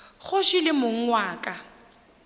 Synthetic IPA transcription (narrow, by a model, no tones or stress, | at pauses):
χʊʃɪlɪmʊŋ̩ŋwaːkʼa